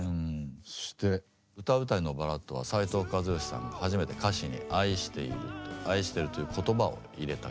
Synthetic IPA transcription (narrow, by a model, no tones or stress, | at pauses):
so̥ɕi̥t̪e̞ | ɯ̟t̪abɯ̟t̪aino̞baɾat̪ːo̞βa̰sait̪o̞ːkɯazɨjoɕi̥sã̰ŋɡahaʑime̞t̪e̞kaɕiɲ̟ḭʔaiɕi̥t̪e̞̰ḭɾɯ̟̰t̪oaiɕi̥t̪eɾɯ̟t̪o̞jɯ̟ːkʰo̞t̪o̞bao̰iɾe̞t̪a